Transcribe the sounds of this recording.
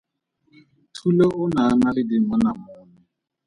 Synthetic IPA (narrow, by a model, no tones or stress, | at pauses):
tʰulɔʔʊnaamalɪdɪmɔnam